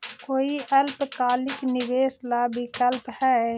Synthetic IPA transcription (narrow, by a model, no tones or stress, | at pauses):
koːiɐlpkaːlɪknɪʋeːslabʱikɐlphɛː